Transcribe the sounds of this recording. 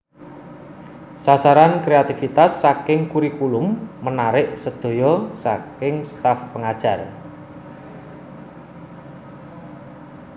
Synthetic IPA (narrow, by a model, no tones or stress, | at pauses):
sasaɾankɾeat̪ifit̪asːakɪŋkuɾikulʊmːənaɾɪʔsəd̪̥o̤jɔsakɪŋst̪afpəŋad̥ʒ̥a̤r